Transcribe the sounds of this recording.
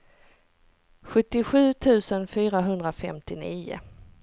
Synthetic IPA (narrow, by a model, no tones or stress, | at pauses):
ɧɵt̪ːɪɧʉ̟ːt̪ʰʉ̟ːsənfyːɾaɦɵnd̪ɾafɛmt̪ɪniːʊ̰